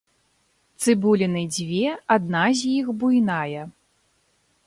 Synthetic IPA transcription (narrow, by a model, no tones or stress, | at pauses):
t̪sɨbulʲinɨd͡zʲvʲɛad̪̚nazʲjixbujnajɐ